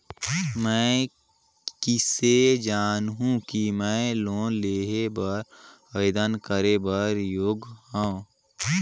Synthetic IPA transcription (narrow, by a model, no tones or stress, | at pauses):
mɛ̃ː | kɪsed͡ʒaːnɦũkimɛ̃ːloːnleːɦebəɾ | əed̪ənkəɾebəɾjoːɡhãõ